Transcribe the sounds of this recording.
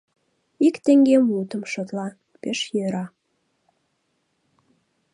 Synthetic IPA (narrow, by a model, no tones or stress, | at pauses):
ikt̪eŋɡemut̪əmʃot̪lɑ | peʃjøɾɑ